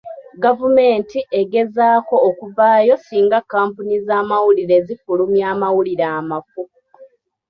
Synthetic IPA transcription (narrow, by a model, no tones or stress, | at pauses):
ɡavume̞ːntiʔeɡe̞zaːko̞ːkuvaːjo̞siːŋɡakːaːmpunizaːmawuliɾe̞ːzifulumjaːmawuliɾaːmafu